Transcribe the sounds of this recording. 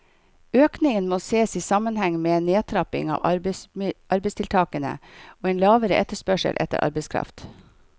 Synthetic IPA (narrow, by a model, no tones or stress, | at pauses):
øːknɪŋənmoːseːsiːsɑmənhɛŋmeːeːnːeːt̪ʰɾɑpɪ̰ŋɑ̰ːʋ | ʔɑɾbɛɪst̪ʰɪlt̪ʰɑːkənə̰oːeːnlɑːʋəɾəʔɛt̪ːəʂpœʂə̰lʔɛ̰t̪ə̰ɾʔɑ̰ɾbəɪskʰɾɑ̰ft̪